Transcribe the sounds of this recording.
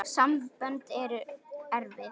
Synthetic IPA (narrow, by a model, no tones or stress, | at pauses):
samvpœnt̪ɛɾʏɛɾvɪ